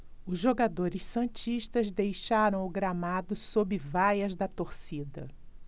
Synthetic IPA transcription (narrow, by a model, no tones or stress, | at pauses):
ʊzʒoɡad̪oɾɪssɐ̃t͡ʃiʃt̪ɐzd̪ejʃaɾɐ̃w̃ʊɡɾamad̪ʊsobɪvajɐzd̪ɐt̪oɾsid̪ɐ̰